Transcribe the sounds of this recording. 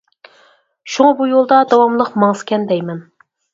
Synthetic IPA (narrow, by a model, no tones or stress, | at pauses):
ʃuŋɑbujolˠd̪ɑd̪ɑwɑmlˠəqmɑŋskʲɛnd̪ɛjmɛn